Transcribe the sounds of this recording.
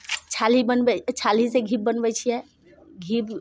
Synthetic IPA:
t͡ʃʰalibənbɛt͡ʃʰaliseɡʱib̚ːənbɛt͡ʃʰijɛ | ɡʱib

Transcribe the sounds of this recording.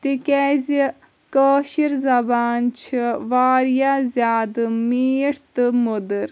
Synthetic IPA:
t̪ikɛːzi | kəːʃiɾzɐbaːnt͡ʃʰiʋaːɾijaːzʲjaːd̪miːʈt̪ɨmod̪əɾ

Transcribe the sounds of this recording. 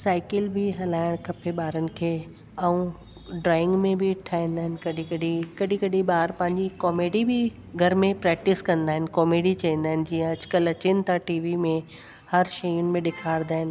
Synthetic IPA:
saːɪkɪlbɪɦɐlaːɪɽ̃kʰɐpʰeɓaːɾənɪ̆kʰeː | ɐũ | ɖɾaːɪ̃ŋɡmẽbʱɪʈʰaːɦĩːn̆d̪aːɦɪ̃nɪ̆kɐɗĩkɐɗikɐɗʱĩkɐɗĩɓaːɾpɐ̃ɦɪ̃ɲd͡ʑikɔːmeːɖibɪ | ɡʱɐɾmẽpɾɛːk̚ʈɪskɐ̃nd̪aːɦɪnɪkɔːmeːɖit͡ɕɐĩːnd̪aːɦɪnɪ̆d͡ʑiːə̃ɐd͡ʑkəlɐt͡ɕɪnɪ̆t̪ʰaʈiːʋimẽ | hɐɾʃɐjʊnɪ̆mẽɗɪkʰaːɪɽ̃d̪aːɦɪnɪ̆

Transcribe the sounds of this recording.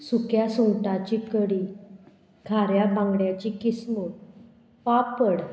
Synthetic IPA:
sukjasũŋɡʈat͡ɕikəɽi | ɡʱaɾjabãŋɡɽjat͡ɕikismu | papːəɽ

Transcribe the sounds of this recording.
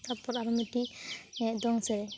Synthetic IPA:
t̪ʰapɔɾaɾɔmiʈi | d̪ɔŋsɛɾɛ

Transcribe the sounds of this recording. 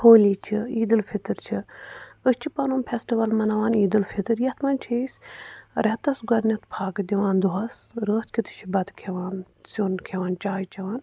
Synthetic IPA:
hoːliːt͡ʃʰiiːd̪ɨlpʰit̪ɨɾt͡ʃʰiəst͡ʃʰipɐnoːmpʰesʈiʋɐlmɐnɐʋaːniːd̪ɨlpʰit̪ɨɾjɐt̪ʰmɐːnʲt͡ʃʰisʲɾɛt̪ɐsɡɐɾnɐt̪pʰaːɡd̪ʲiʋaːnd̪uɦɐsɾəːt̪kʰʲit̪ɨ̥t͡ʃʰibɐt̪kʰeʋaːn | sonkʰeʋaːnt͡ʃaːjt͡ʃɐʋaːn

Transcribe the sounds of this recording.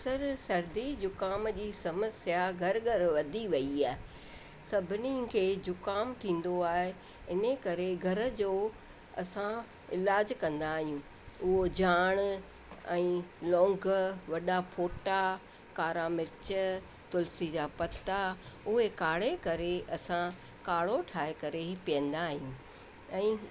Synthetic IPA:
sɐɾsɐɾd̪id͡ʑʊkaːmd͡ʑiːsɐməsjaɡʱɐɾɡʱɐɾʋɐd̪ʱiʋɐiaːɦɪ | sɐbʱɪnikʰeːd͡ʑʊkaːmt̪ʰĩːn̆d̪oaːɦe | ɪnəkɐɾeɡʱɐɾə̆d͡ʑoː | ɐ̰sã | ɪlaːd͡ʑkɐ̃nd̪aːɦijũː | ʊɦod͡ʑaːɽ̃ | ɛ̃ːlɔ̃ːŋɡʋɐɗapʰoːʈa | kaːɾamɪɾt͡ɕə | t̪ʊlsid͡ʑaːpɐt̪ːaʊɦekaːɽ̤ekɐɾeʔɐsã | kaːɽoʈʰaːɦekɐɾepijə̃nd̪aːɦijũː | ɛ̃ː

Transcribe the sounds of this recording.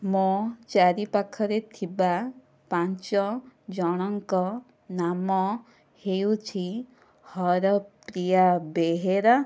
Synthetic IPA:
mot͡ʃaɾipakʰɔɾet̪ʰiba | pant͡ʃɔd͡ʒɔɽ̃ɔŋkɔ | namɔ | heut͡ʃʰi | hɔɾɔpɾijabeɦeɾɔ

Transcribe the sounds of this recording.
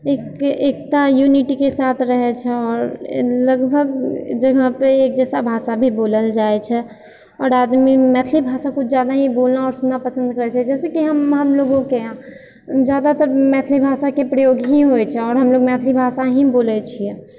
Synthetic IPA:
eːkekt̪ajuniʈikesaːt̪ʰɾəɦɛt͡ʃʰɛɔːɾləɡbʱəɡd͡ʒəɡʱəpeeːk̚d͡ʒɛːsabʱasabʱiboːləld͡ʒaɛt͡ʃʰɛ | ɔːɾad̪mimɛt̪ʰlibʱasakʊt͡ʃʰd͡ʒad̪aɦĩbolnaɔːɾsunːapəsə̃nd̪kəɾɦɛt͡ʃɛd͡ʒɛːsekiɦəmɦəmloɡõkeã | d͡ʒjad̪at̪əɾmɛt̪ʰlibʱasakepɾəjoːɡɦiɦoɛt͡ʃʰɛɔːɾɦəmloɡmɛt̪ʰlibʱasaɦĩboːlɛt͡ʃʰiɛ

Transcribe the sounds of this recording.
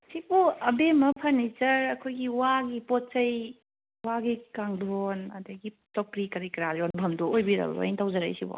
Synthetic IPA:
sipoɐbemɐpʰɐɾnit͡ʃɐɾɐkʰojɡiwaɡipɔt̚t͡ʃɐj | waɡikaŋdʱonɐ̰dɐɡi | tɔpɾikɐɾikɾaljɔnbʱɐmdɔojbiɾɐ̰b̰o̰jntʰawzɐɾa̰jsibo̰

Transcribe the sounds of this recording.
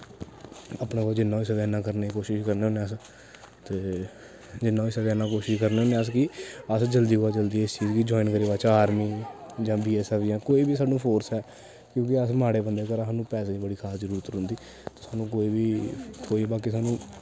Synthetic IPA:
aːpnãːkɔːd͡ʒɪnːãːɪsɡɛːnãːkəɾneːikoːʃɪʃkəɾneːoːneːəs | t̪eː | d͡ʒɪnːãːɪsəɡɛːnãːkoːʃɪʃkəɾneːɦõːneəs̬kɪəsd͡ʒəld̪iːɦoːaːd͡ʒəld̪iːɪst͡ʃiːd͡ʒkid͡ʒɔːɪnkəɾiːbaːt͡ʃaaːɾmiːd͡ʒãːbiːɛːsɛːfjãːkoːiːbiːsaːɖõːpʰoːɾsɛː | kjõːkɪəsmaːɽeːbənd̪eːkəɾaɦnũːpɛːseːiːbəɽiːkʰaːsd͡ʒəɾuːɾət̪ɾʊ̃nd̪iː | t̪eːsaːnũːkoːiːbiːtʰoːiːbaːkiːsaːnũː

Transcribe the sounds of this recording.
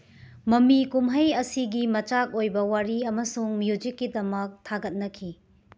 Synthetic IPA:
mɐmikumɦɐjɐsiɡimɐt͡ʃak̚ojbɐwaɾiɐmɐsuŋmjud͡ʒikːidɐmɐk̚tʰaɡɐt̚nɐkʰi

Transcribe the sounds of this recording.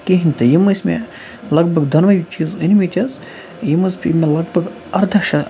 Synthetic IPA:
kiɦinʲt̪ɐjimɨsʲmḛ | lɐɡbʱɐɡd̪ɐnʋɐjt͡ʃiːzɨnʲmit͡ʃɐz | jimɨspʲimelɐɡbɐɡ | ɐɾd̪ʱɐkʃɐ

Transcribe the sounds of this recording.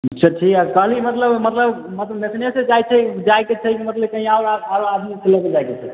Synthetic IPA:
t͡ʃʰəʈʰikakəɦlimət̪ləbmət̪ləbmət̪ləbnesneset͡ʃajt͡ʃʰɛd͡ʒajket͡ʃʰɛkimət̪ləb̚kəɦĩaoɾabaɾoad̪miselːəked͡ʒajket͡ʃʰɛ

